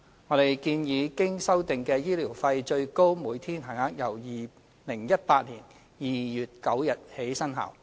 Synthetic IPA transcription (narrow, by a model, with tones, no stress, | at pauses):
ŋɔ˨˧ɾe˨˩jkiː˧njiː˨˧kɪ˥ŋsɐ˥wt̪ɪ˨ŋkɛː˧jiː˥liː˨˩wfɐ˧jt͡ʃɵ˧ɥko˥wmuː˨˧jt̪ʰiː˥nɦɐ˨˩ŋaː˨˥k̚jɐ˨˩wjiː˨˩ | lɪ˨˩ŋjɐ˥t̚paː˧t̚liː˨˩n | jiː˨jyː˨t̚kɐ˨˥wjɐ˨t̚he˨˥jsɐ˥nɦa̰ː˨˩w